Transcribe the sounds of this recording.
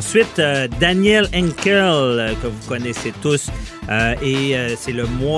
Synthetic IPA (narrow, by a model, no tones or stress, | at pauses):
sɥit̪d̪anjɛlɛ̃ŋkʲɛlkʲəvukɔnɛset̪usøesɛləmwa